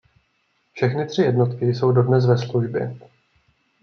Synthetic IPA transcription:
fʃɛxnɪt̪r̝̥ɪjɛdno̞t̪kɪjso̞wdo̞dnɛs̬vɛsluʒbjɛ̰

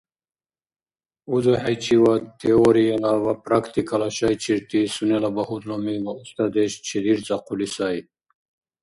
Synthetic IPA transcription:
uzoħajt͡ɕʰiwat̪ʰioɾijalawapɾakt̪ikalaɕajt͡ɕʰiɾt̪isunelabahut̪lomiwaust̪ad̪eɕt͡ɕʰid̪iɾt͡saqulisaj

